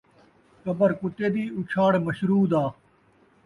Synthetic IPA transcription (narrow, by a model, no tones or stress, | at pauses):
kəbəɾkʊt̪eːd̪iːʊt͡ʃʰaːɽməʃɾuːd̪aː